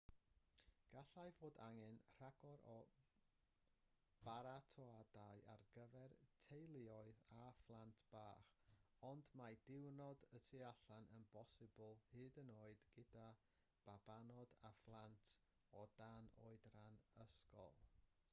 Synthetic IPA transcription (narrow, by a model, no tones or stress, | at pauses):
ɡ̥aɬajvoːda̰ŋɛnr̥aɡ̥ɔɾɔ | b̥aɾatʰɔadaɨa̰rɡəvɛrtʰejlˠɪɔɨðaflˠantʰb̥aːχɔndmadɪwnɔdətʰɨaɬanənbɔsɨbʊlˠhɨːdənoːɨd̥ɡ̥ɪda | b̥abanɔdaflˠantʰ | ɔdano̰ːɨdranəskɔ̰lˠ